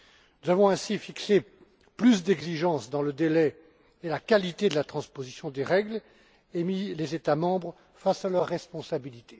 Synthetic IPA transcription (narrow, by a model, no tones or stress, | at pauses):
nuzavɔ̃ɛ̃sifikse | plysd̪ɛɡziʒɑ̃sd̪ɑ̃ləd̪elɛ | elakalit̪ed̪əlat̪χɑ̃spozisjɔ̃d̪eʁɛɡl | emilezet̪amɑ̃bʁ | fasalœʁːɛspɔ̃sabilit̪e̥